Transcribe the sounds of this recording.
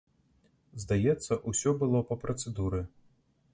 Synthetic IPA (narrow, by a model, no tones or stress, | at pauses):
zd̪ajɛt̪sːɐʔusʲɔbɨlˠɔpɐpɾɐt̪sɛd̪uɾɨ